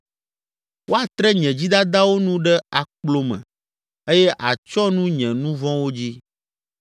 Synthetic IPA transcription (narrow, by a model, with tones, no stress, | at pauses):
wʔo˦a˨t̪ɾɛ˦ɲɛ̃˨d͡ʑi˦d̪a˦d̪a˦wo˦nũ˦ɖɛ˦a˨k͡plo˦mɛ̰̃˨ | e˦jɛ˦ʔa˨t͡ʃɔ˦nũ˦ɲɛ̃˨nũ˦vɔ̃˦wo˦d͡ʑi˦